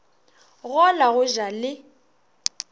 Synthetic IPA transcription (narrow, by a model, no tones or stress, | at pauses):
ɣɔlaɣʊʒalɪ